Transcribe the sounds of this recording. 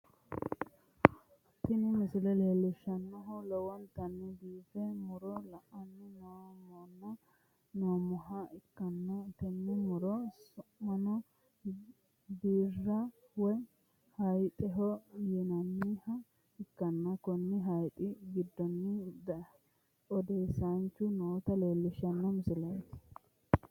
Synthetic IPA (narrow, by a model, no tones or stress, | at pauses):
t̪ɪnɪmɪsɪlɛleːlːɪʃːɐnːɔɦʊlɔwɐnt̪ɐnːɪbiːfɛmʊɾɔlɐʔɐnːɪnoːmɔnːɐ | noːmʊɦɐɪkːɐnːɐt̪ɛnːɪmʊɾɔsʊmɐnɔ | b̪iːrːɐ | wɔj | hɐjt̪ʼɛɦɔjɛnɐnːɪhɐ | ɪkːɐnːɐkɔnːɪɦɐjt̪ʼɪɡɪd̪ːɔnːɪd̪ | ɔd̪eːsant͡ʃːʊnoːt̪ɐleːlːɪʃɐnːɔmsɪlɐjt̪ɪ̥